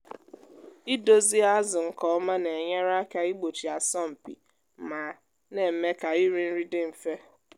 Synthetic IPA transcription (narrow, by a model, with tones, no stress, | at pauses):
i˦do˦zi˦a˦zʊ˨ŋ̩˨kɔ˨˦ma˦ne˨ɲe˦ɾa˦ka˦i˦ɡ͡bo˨t͡ʃi˨a˨sɔ˦m̩˨pḭ˨ | ma˨ | ne˨m̩˨me˦ka˨i˦ɾi˦n̩˦ɾi˦dɪ˦m̩˨fe˦